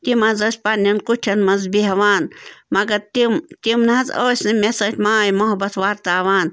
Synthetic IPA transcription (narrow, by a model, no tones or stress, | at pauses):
t̪imɐzɐsʲpɐnːɐnkuʈʰɐnmɐnzbiɦɐʋaːnmɐɡɐɾt̪imt̪imnaɐzoːsʲnɨmesɐtʰʲmaːjmoɦɐbɐt̪ʰʋaːɾt̪aːʋaːn